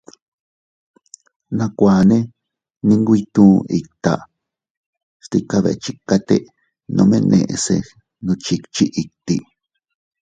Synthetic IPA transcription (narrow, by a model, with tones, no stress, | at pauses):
nã˧kʷaː˨nẽ˦ | nĩ˧ŋɡʷi˧t̪ũː˦i˨kt̪a˨ | st̪i˧ka˧βḛ˨˧t͡ʃi˦ka˧t̪e˦˧ | nõ̰˧mḛ̃˦˧nʔḛ̃˨ʔse˧ | nũ˧t͡ʃi˧t͡ʃi˦ʔi˨t̪i˨